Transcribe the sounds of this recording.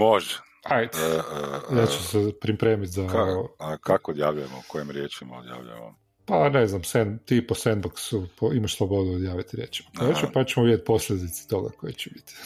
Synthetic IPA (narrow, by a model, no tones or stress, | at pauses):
moʒɛ | ajd̪ | jat͡ʃusepɾipɾeːmit̪zaookakood̪jaːʋʎujemokojimɾjeːt͡ʃima̰o̰d̪ja̰ːʋʎṵjḛo̰n | paneznamsent̪iposenboksupoimaʃslˠobo̞d̪uod̪jaːʋit̪iɾjḛt͡ʃi̥makojet͡ʃepat͡ʃemoʋid̪ʲjet̪̚ʲpo̞sʎʲed̪it̪se̥t̪o̞ɡa̰kojet͡ʃebi̥t̪i̥